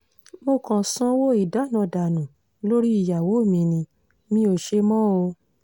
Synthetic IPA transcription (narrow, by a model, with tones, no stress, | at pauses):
mo˧kɔ̃˨˧sɔ̃˧˦wo˦i˨da˨˦˨nã˧˨da˨nũ˨ | lo˦ɾi˦i˦˨ja˨wo˨˦˨mĩ˧nĩ˧ | mĩ˦o˧˨ʃe˧mɔ̃˦o˧